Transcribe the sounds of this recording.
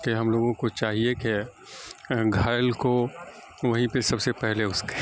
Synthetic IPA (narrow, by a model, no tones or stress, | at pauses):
keɦɐmloːɡõkot͡ʃaːɦiekɪ | ɡʱaːjəlko | ʋɐɦĩpesɐbsepɛɦleʊske̥